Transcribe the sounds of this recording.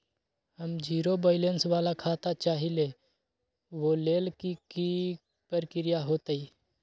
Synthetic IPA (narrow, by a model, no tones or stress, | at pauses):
həmd͡ʒiːɾobaːɪlensʋaːlakʰaːt̪at͡ʃaːɦile | ʋoleːlkiki | pəɾkɪɾɪjaɦoːt̪iː